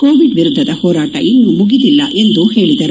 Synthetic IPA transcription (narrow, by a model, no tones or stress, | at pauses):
koːʋiɖʋiɾud̪ʱːɐd̪ɐhɔːɾaːʈɐ̰ʔinːumuɡid̪ilːɐʔe̞nd̪uhe̞ːɭid̪ɐɾu